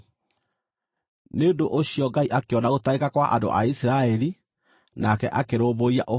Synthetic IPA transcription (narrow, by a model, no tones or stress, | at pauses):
neondoʔoɕijɔɡaiʔakeɔnaɣotaekakwaʔando̰ʔa̰isiɾaɛɾi | nakɛ̰ʔakeɾoːboia̰ʔo